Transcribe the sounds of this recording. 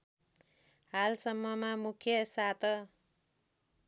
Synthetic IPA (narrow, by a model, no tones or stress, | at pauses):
halsʌmːʌmamukʰjʌsat̪ʰʌ